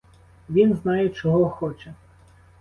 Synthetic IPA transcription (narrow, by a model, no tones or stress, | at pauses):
ʋʲinznɑjɛt͡ʃɔɦɔɔxɔt͡ʃɛ